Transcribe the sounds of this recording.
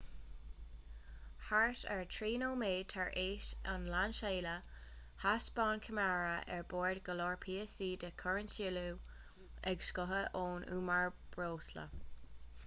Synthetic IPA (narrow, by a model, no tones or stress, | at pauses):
haɹtʰɛ̰ɹtʰɹiːnoːmeːt̪ʰaɹʔeːʃanlanʃeːlə | hasb̥ɑːnkʰəmaɹəʔɛ̰ɹboːɹdɡəloːɹpʰiːəsiːdəkʰɔɹəntilu | ɛɡʃkʊɦəʔoːnʔṵːmaɹb̥ɹoːslə̰